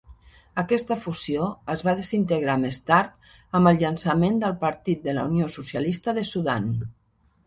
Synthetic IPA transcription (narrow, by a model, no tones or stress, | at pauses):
əkɛst̪əfuzioəzβaðezint̪əɣɾamest̪aɾt̪ | əmbəlˠʎənsəmend̪əlˠpəɾt̪it̪̚d̪əlauniosusjalist̪əðəsuðan